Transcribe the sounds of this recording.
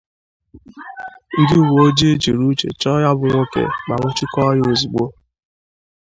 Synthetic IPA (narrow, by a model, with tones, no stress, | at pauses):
ŋ̩˦dɪ˦wo˨o˦d͡ʒe˦e˦d͡ʒe˨ɾu˦t͡ʃḛ˨t͡ʃɔ˦ja˦bʊ˨ŋʷo˦kḛ˨ɡ͡ba˨ŋʷʊ˦t͡ʃi˦kɔ˦jo˨zu˨ɡ͡bo˦